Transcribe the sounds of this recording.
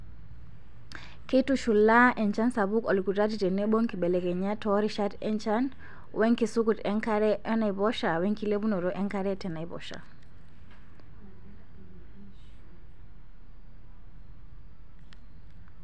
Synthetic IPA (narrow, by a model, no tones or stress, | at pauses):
ketuʃulːaʔɛnt͡ʃansabukɔlkutatitɛnːeɓoŋkiɓɛlɛkɛɲatɔɾiʃatɛnt͡ʃan | wʔeŋkisukutɛŋkaɾɛʔɔnajbɔʃaweŋkilebunɔɾɔʔɛŋkaɾɛtɛnajbɔ̰ʃa̰